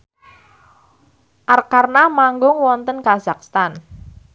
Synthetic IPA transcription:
ʔarkarnamaŋɡʊŋwɔnt̪ənkazakst̪an

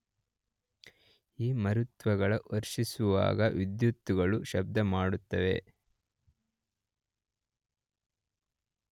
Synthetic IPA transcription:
iːmɐɾut̪ʋɐɡɐɭɐʔoɾʃisuʋa̰ːɡɐʋid̪jut̪ːuɡɐɭuʃɐb̚d̪ʱɐmaːɽut̪ːɐʋe̞̰

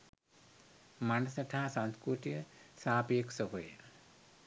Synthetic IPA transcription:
manɐsɐʈaɦasanskɾuʈ̪ijəsaːpijeksəɦojə̰

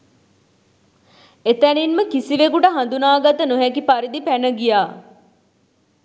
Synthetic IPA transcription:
et̪æninməkisiʋekuʈəɦand̪unaːɡat̪ənuɦækipaɾid̪ipænəɡijaː

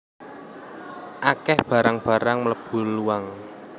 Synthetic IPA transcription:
ʔakɛhb̥ä̤ɾaŋb̥a̤ɾaŋmələb̥ṳluwaŋ

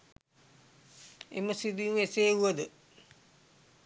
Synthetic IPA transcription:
ḛməsid̪ijũeseːuʋəd̪ə

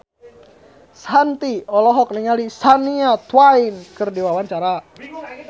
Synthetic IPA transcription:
sant̪iɔlɔɦɔk̚niŋalisaniat̪wainkɨrdiwawaɲt͡ʃaɾa

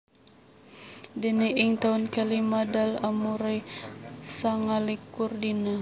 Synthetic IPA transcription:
dəniʔiŋt̪aunkalimadalamuɾe | saŋalikurdina

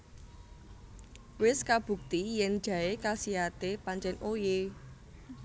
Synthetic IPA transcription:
wɪskab̥ṳk̚t̪ijɛn̥ʒ̥ä̤ekasiɦat̪epaɲt͡ʃɛnoje

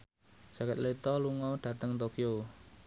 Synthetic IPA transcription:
sakɛt̪̚let̪ɔluŋɔɖ̥ä̤t̪əŋt̪okio

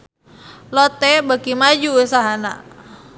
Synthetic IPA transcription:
lɔt̪ɛbakimad͡ʒuːsaɦana

